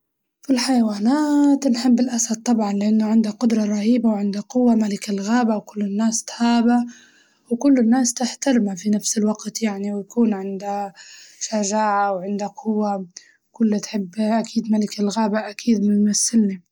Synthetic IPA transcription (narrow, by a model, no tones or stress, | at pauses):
filħajawaːnaːt̪nħɪbːɪlʔasad̪̚t̪ˤːɑbʕɑnlɪʔanːʊʕɪnd̪aqʊd̪ɾˤɑɾˤɑhiːbawʕɪnd̪aqʊwːamalɪkɪlɣaːbawkʊlːɪnːaːst̪haːba | wkʊlːɪnːaːst̪ɪħt̪aɾmafinafsɪlwaɡt̪jaʕniwjakuːnʕɪnd̪aʃaʒaːʕawʕɪnd̪aqʰʊwːa | kʊlːt̪ħɪbːʔakʰiːd̪malɪkalɣaːbaʔakʰiːd̪mɪmasːɪlni